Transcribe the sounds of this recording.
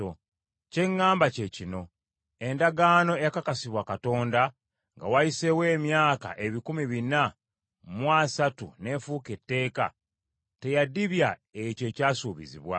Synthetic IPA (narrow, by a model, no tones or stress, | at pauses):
ce̞ŋːaːmbace̞cino̞ | e̞ndaɡaːno̞ejakakasiβwakato̞ːnda | ŋɡa̰wajise̞we̞ːmjaːka̰ʔe̞βikumiβina | mwasatune̞fuke̞tːe̞ːka̰ | te̞jadiβjaece̞ːcaːsuːβḭzḭβwa̰